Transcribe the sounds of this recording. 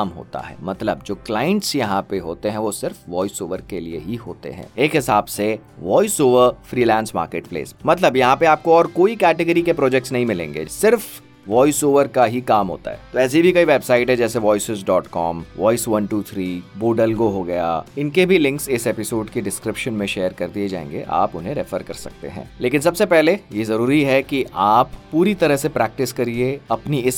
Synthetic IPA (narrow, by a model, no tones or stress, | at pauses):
aːmɦo̰ːt̪a̰ɦɛ̰ːmɐt̪ləbd͡ʒoːklaːə̃ɳʈsjɐɦãpeɦoːt̪eɦɛ̃ʋosɪɾfʋɔːɪsoːʋəɾkeliḛɦiɦo̰ːt̪ḛɦɛ̰̃ːeːkɦɪsaːbse | ʋɔːɪsoːʋəɾfɾiːlɛ̃ːnsma̰ːɾkeːʈ̚plḛːsmɐt̪ləbjɐɦãpeaːp̚koɔːɾkoːikɛːʈɪɡəɾikepɾɔːd͡ʒɛk̚ʈsnɐɦĩmɪlḛ̃ːŋɡḛːsɪɾf | ʋɔːɪsoːʋəɾkaɦikaːmɦo̰ːt̪a̰ɦɛːt̪oɛːs̬ibʱikɐiʋɛːbsaːɪʈɦɛd͡ʒɛːseʋɔːɪsɪzɖɔːʈkɔ̰ːmʋɔːɪsʋɐnʈuːt̪ʰɾiːboːɖəlɡoɦoɡɐja̰ɪnkebʱilɪ̃ŋksɪseːpɪsoːɖkeɖɪskɾɪpʃənmẽʃeːəɾkɐɾd̪ied͡ʒa̰ːḛ̃ŋɡḛʔa̰ːpʊnɦẽɾɛfəɾkɐ̰ɾsɐ̰k̚t̪ḛɦɛ̰̃ːleːkɪ̃nsɐbsepɛɦlejezɐɾuːɾiɦɛkiʔʔaːpːuːɾit̪ɐɾəɦsepɾɛːk̚ʈɪskɐɾieɐpniɪs